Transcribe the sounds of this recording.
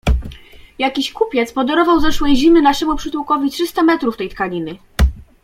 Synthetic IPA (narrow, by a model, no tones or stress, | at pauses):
jakʲiɕkupʲjɛt̪spɔd̪ɛɾɔvawzɛʂwɛjʑimɘnaʂɛmupʂɘt̪wukɔvʲitʂɘst̪amɛt̪ɾuft̪ɛjt̪kalʲinɘ